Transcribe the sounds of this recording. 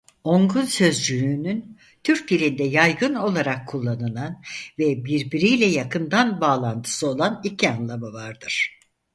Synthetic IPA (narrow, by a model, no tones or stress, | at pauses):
o̞ŋɡunsø̞zd͡ʒyjyːnyn | t̪ʰyɾc̚d̪ilʲind̪ɛjajɡɯno̞lˠaɾakʰːulˠːanɯlˠanvɛbiɾbiɾijlʲɛjakʰɯnd̪anbaːlˠant̪ʰɯ̥sɯo̞lˠanicʰianlˠamavaɾd̪ɯɾ̥